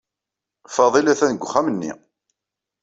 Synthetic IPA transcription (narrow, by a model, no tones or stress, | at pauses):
fɑðˤilæθænəɡʷχːæmənːḭ